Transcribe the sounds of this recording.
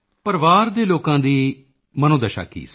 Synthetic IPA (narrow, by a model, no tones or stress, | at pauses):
pəɾʋaːɾd̪eːloːkãːd̪iː | mənõːd̪əʃa̰ːkḭːs